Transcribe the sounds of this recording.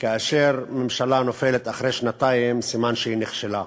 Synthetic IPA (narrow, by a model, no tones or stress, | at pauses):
kaːʃeʁmemʃalanofelet̪aχɾejʃnat̪ajimsimanʃehineχʃela